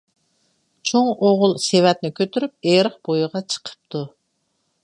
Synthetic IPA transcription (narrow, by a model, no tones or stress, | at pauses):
t͡ʃʰoŋoʁʊlˠsewɛt̪̚nɪkʲʰøt̪ʰyɾyp̚eɾəχb̥ojʁɑt͡ʃʰə̥qʰə̥p̚t̪ʰu